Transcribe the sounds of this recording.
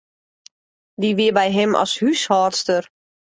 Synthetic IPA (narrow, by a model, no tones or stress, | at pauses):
diʋɪəbɛjɦɛmʔɔ̰shyshɔːrtstər